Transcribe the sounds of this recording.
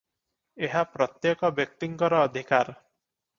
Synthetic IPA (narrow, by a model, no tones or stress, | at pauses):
eɦapɾɔt̪jekɔbjɔk̚t̪iŋkɔɾɔːd̪ʱikaɾ